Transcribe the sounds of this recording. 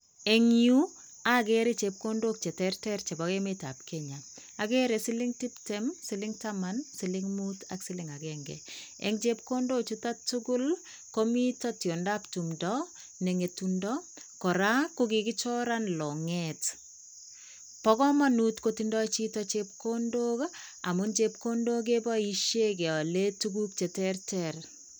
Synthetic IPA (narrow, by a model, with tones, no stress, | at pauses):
e˨ŋiu˦ | a˦ɡeɾe˦t͡ʃe˨p̚ko˦ndo˦k̚t͡ʃe˨tɛrtɛ˦rt͡ʃe˨bɔɡe˦meta̰˨pkʰɛɲa˨ | a˨ɡe˦ɾe˨sɪ˦lɪ˦ŋti˦ptɛmsɪlɪŋtamansɪ˦lɪŋmuta̰ksɪ˦lɪŋa˨ɡɛŋɡɛ̰ | ḛ˦ŋt͡ʃe˦p̚ko˦ndo˦t͡ʃu˦ta˦tuɡʊ˦l | komi˦tɔ˦tjo˨nda˦ptu˨mdɔ | nɛŋe˨tundɔ | kɔ˨ɾakukikɪt͡ʃɔ˦ɾanlɔ˨ŋɛt | pɔkɔ˦manutkotindɔ˦t͡ʃi˦tɔt͡ʃep̚kondo˦ka̰˨mʊnt͡ʃep̚ko˦ndo˦ɡ̬e˦bɔ˦iʃek̬e˨ɔ˨letuɡu˦k̚t͡ʃɛ˨tɛrtɛr